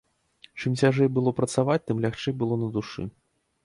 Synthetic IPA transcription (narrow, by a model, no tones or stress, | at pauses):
t͡ʂɨmt͡sʲaʐɛjbɨlˠɔpɾɐt̪savat͡sʲt̪ɨmlʲaxt͡ʂɛjbɨlˠɔnɐd̪uʂɨ̰